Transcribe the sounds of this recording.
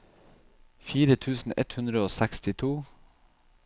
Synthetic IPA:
fiːɾət̪ʰʉːsn̩ɛ̰t̪hʉnd̪ɾəoːsækst̪ɪt̪ʰuː

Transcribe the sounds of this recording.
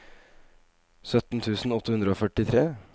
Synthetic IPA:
sœt̪n̩t̪ʰʉːsn̩ɔt̪ːəhʉnd̪ɾəoːfœʈɪt̪ʰɾeː

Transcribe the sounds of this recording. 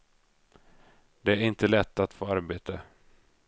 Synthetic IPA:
d̪ɛæɾɪnt̪əlɛt̪ːat̪foːaɾbeːt̪ʰə

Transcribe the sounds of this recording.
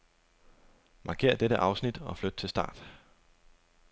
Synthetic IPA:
mʔɑ̈ːkʰe̝̰ːɐ̰d̥eɾəʔɑ̈ʊsnid̥ɒ̽flød̥ət͡sʰe̝lsd̥ɑ̰̈ːd̥

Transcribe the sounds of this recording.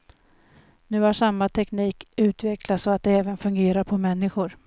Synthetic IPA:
nʉ̟ːhaʂamːat̪ʰɛkniːkʉ̟ːt̪vɛklasɔat̪̚d̪ɛɛːvənfɵŋɡeːɾaɾpʰɔmɛnːɪɧʊɾ

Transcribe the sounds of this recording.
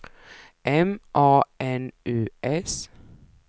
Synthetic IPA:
ʔɛmʔɑːʔɛnʔʉːʔɛs

